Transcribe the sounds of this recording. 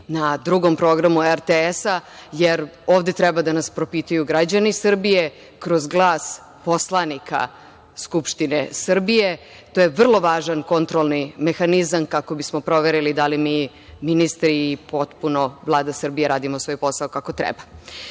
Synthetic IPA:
nad̪ɾuɡo̞mpɾo̞ɡɾamueɾt̪eesajeɾo̞ːvd̪et̪ɾɛbad̪anaspɾo̞pit̪ujuɡɾad͡ʑanisr̩bije̞ | kɾo̞zɡlˠaːs | po̞slˠanikʰa̰ | skupʃt̪inesr̩bije̞ | t̪oːjeʋr̩lˠo̞ʋaːʒanko̞nt̪ɾolˠnime̞xanizamkako̞bismo̞pɾo̞ʋeɾilid̪alimiː | minist̪ɾiːpo̞t̪punovlˠaːd̪asr̩bijeɾaːd̪imosʋo̞ːjpo̞saokako̞t̪ɾɛ̰ba

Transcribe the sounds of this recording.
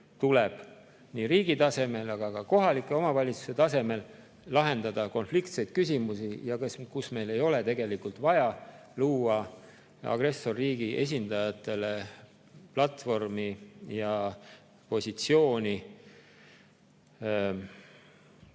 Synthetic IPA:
t̪ule̞b̥ | niːɾiːɡ̥it̪ɑse̞me̞lɑɡ̥ɑɡɑko̞ɦɑlikːˑe̞o̞mɑvɑlʲit̪su̥se̞t̪ɑse̞me̞lː | ɑɦe̞nd̪ɑd̪̥ɑko̞nflikt̪se̞jd̪̥̚kys̬ʲimusijɑkeskusme̞jle̞jo̞le̞t̪e̞ɡ̥e̞likult̪vɑjɑluːɑ | ɑ̰ɡ̥ɾe̞sːo̞rːiːɡ̥iʔe̞̰s̬ʲind̪ɑjɑt̪ːˑe̞le̞ | plɑt̪fo̞rmijɑ | po̞sʲit̪sio̞ːnʲi

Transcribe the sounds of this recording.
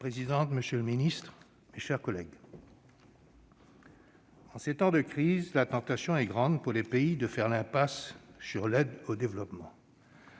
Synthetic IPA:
pχezid̪ɑ̃t̪məsjøləminist̪χ | meʃɛʁkɔlɛ̰ɡ | ɑ̃set̪ɑ̃d̪əkχizlat̪ɑ̃t̪asjɔ̃ɛɡʁɑ̃d̪puʁlepeid̪əfɛʁlɛ̃pasːyʁlɛd̪od̪evlɔpmɑ̃

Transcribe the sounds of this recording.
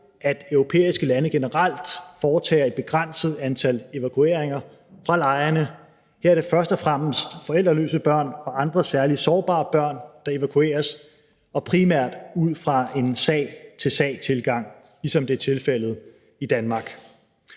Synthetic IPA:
æd̥œʊʁo̝pʰḛːisɡ̥əlænəɡ̥e̝nəʁɑl̰d̥fɒːt͡sʰɛ̰ːɐe̝d̥̚b̥e̝ɡ̥ʁan̰səð̞̩ˠænt͡sʰæle̝ʋækʰue̝̰ɐeŋɐ | fʁɑ̈lɑ̈ɪɐnə | hæɐ̰d̥efɶɐsd̥ɒfʁam̰əsd̥fɒ̽el̰d̥ʁɐlø̰ːsəb̥ɶɐ̰nɒ̽ʔɑ̈nd̥ʁɐsæɐlisɒːb̥ɑ̰̈ːb̥ɶɐ̰nd̥ɑ̈e̝ʋækʰue̝̰ːɐs | ɒ̽pʰʁimæɐ̰d̥uð̰ˠfʁɑ̈e̝nsɛ̰ːɪt͡sʰe̝lsɛ̰ːɪt͡sʰe̝lɡ̥ɑ̈ŋ̰ | lisɒ̽md̥e̝æɐt͡sʰe̝lfel̰ð̞̩ˠ | id̥ænmɑ̈ɡ̥

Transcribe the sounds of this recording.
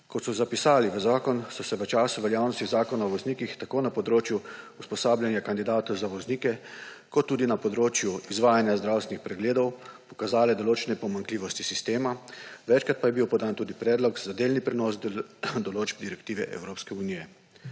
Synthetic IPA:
kɔt̪sɔzapisaːliʋəzaːkɔnsɔsɛʋət͡ʃaːsuʋɛljawnɔst̪iɣzaːkɔnaɔʋɔzniːkixt̪akoːnapɔd̪ɾoːt͡ʃjuuspɔsaːbljanjakand̪id̪aːt̪ɔwzaʋɔzniːkɛkɔt̪ːuːd̪inapɔd̪ɾoːt͡ʃjuizʋaːjanjazd̪ɾawst̪ɛnixpɾɛɡleːd̪ɔwpɔ̥kazaːlɛd̪ɔloːt͡ʃɛnɛpɔmaŋkliːʋɔst̪i̥sist̪eːmaʋɛt͡ʃkɾat̪̚pajɛbiwpɔd̪aːnt̪uːd̪ipɾɛːd̪lɔkzad̪eːlnipɾɛnɔːs̬d̪ɔloːd͡ʒb̚d̪iɾɛkt̪iːʋɛ̰ʔɛ̰wɾoːpskɛuniːjɛ

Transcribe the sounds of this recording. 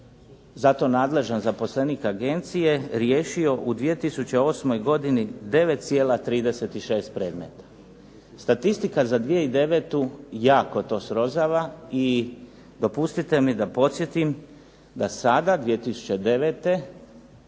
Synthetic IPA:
zat̪o̞naːd̪le̞ʒanzapo̞sle̞niːkaɡe̞nt̪sije̞ɾjeːʃio̞ʔud̪ʋije̞t̪isut͡ɕe̞o̞ːsmo̞jɡo̞d̪inid̪e̞ʋe̞t̪t̪sje̞ːlˠat̪ɾiːd̪e̞se̞t̪iʃe̞ːst̪̚pɾe̞ːd̪mḛt̪ḁ | st̪at̪ist̪ikazad̪ʋije̞id̪e̞ʋe̞t̪ujaːko̞t̪o̞ːsɾo̞zaːʋai | d̪o̞pust̪it̪e̞mid̪apo̞t̪sje̞t̪im | d̪asad̪ad̪ʋije̞t̪isu̥t͡ɕe̞d̪e̞ʋeːt̪e̞

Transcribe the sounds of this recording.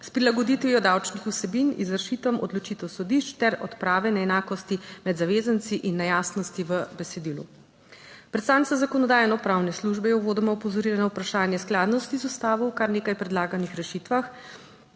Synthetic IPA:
spɾilaɡɔd̪it̪ʋijɔd̪awt͡ʃnixusɛbinḭzəɾʃit̪ʋɐmʔɔ̰d̪lɔt͡ʃit̪ɛwsɔd̪iʃt͡ʃt̪ɛɾɔ̰t̪pɾaːʋɛnɛɛnaːkɔst̪imɛd̪zaʋeːzənt̪siʔinːɛjaːsnɔst̪iʋəbɛsɛd̪ilṵ | pɾɛt̪st̪aːntsazakɔnɔd̪aːjɛnɔpɾawnɛsluʒbɛjɔboːd̪ɛmɔɔpɔzɔɾilɛnawpɾaʃaːnjɛsklaːd̪nɔst̪izust̪aːʋɔwkaɾneːkajpɾɛd̪laːɡanixɾɛʃit̪ʋax

